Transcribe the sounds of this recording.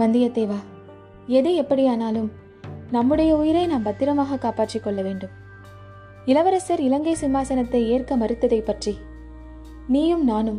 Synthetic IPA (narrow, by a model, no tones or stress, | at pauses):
bɐnd̪ɪjɐt̪ːeːʋaː | ɛðɯɛpːɐɽɪjaːnaːlɯm | nɐmːɯɽɐjɐʊjɪɾɐɪnaːmbɐt̪ːɪɾɐmaːɣɐkaːpaːʈrɪkːɔɭːɐʋeːɳɖɯm | ɪlɐʋɐɾɐsɐɾɪlɐŋɡɐɪsɪmːaːsɐnɐt̪ːɐɪeːrkɐmɐɾɪt̪ːɐðɐɪpːɐʈri | niːjɯmnaːnɯm